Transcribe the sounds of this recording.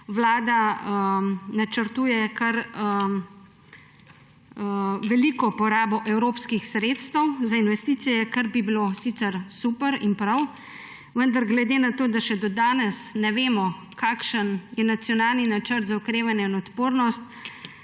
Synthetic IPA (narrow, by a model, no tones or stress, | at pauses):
ʋlaːd̪aənat͡ʃəɾt̪uːjɛkɐɾ | ʋɛliːkɔpɔɾaːbɔʔɛwɾoːpskixsɾeːt̪st̪əwzainʋɛst̪iːt̪sijɛkaɾbibilosit̪sɛɾsuːpəɾinpɾaw | ʋənd̪aɾɡlɛd̪eːnat̪oːd̪aʃɛd̪ɔd̪aːnɛsnɛʋeːmɔ | kaːkʃənjɛnat̪sjɔnaːlninat͡ʃəɾt̪zaɔkɾeːʋanjɛinɔt̪poːɾnɔst̪